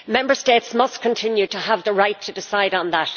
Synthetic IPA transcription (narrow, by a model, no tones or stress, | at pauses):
mɛ̃mbə˞stetsmʌstkʰə̃ntʰɪ̃njʉtəəvðəɹaɪtʰːədɪsaɪɾn̩ðət